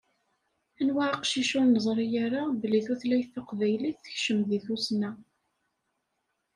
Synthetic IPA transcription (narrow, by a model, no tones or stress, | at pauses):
ænwaʕaqʃiʃunəzˤɾˤijaɾabəliθuθlæjθaqvæjliθə̥çʃəmðiθusnæ